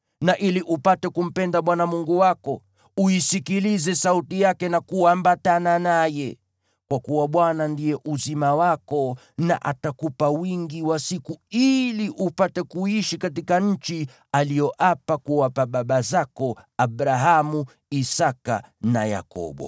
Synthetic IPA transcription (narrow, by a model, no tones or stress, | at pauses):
naʔiliʔupatɛkum̩pɛndaɓwanamuŋɡuwakɔ | uisikilizɛsautijakɛnakuambatananajɛ | kwakuwaɓwanandijɛʔuzimawakɔ | na̰ʔa̰takupawiŋɡiwasikuiliʔupatɛkuiʃikatikaɲ̩t͡ʃi | alijɔʔapakuapaɓaɓazakɔaɓɾaɦamu | isaka̰na̰ja̰kɔ̰ɓɔ̰